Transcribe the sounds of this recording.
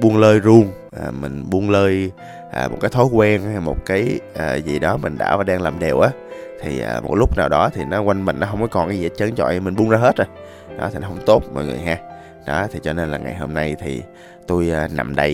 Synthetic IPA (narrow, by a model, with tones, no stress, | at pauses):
ɓu˧ənləː˧jzu˧əŋ | ʔaː˨˩mï˨˩ŋ̟ɓu˧ənləː˧j | ʔaː˨˩mo˨˩t̚kaː˨˦jt̪ʰo˨˦jkwɛ˧nha˧jmo˨˩t̚kaː˨˦jʔəː˨˩zi˨˩ɗɔ˨˦mï˨˩ŋ̟ɗa̰ː˧˩vaː˨˩ɗaː˧ŋlaː˨˩mɗe˨˩wʔaː˨˦t̪ʰi˨˩əː˨˩mo̰˨˩t̚lʊ˦˥k͡p̚naː˨˩wɗɔ˨˦t̪ʰi˨˩nɔ˨˦kwa˧jŋmï˨˩ŋ̟nɔ˨˦ɦə˧wŋ͡mkɔ˨˦kɔ˨˩nʔa˧i˧˨˧t͡ɕə˨˦nt͡ɕɔ̰˧˨jmï˨˩ŋ̟ɓu˧nzaː˧ɦe˦˥t̚ʔə˧˩ | ɗɔ˨˦t̪ʰi˨˩nɔ˨˦ɦə˧wŋ͡mt̪o˦˥t̚mɔ̰˧˨jŋɨ̰˨jɦaː˧ | ɗɔ˨˦t̪ʰi˨˩t͡ɕɔ˧ne˧nlaː˨˩ŋa̰˨˩jho˧mna˧jt̪ʰḭ˨˩ | t̪u˧jna̰˨˩mɗə˧j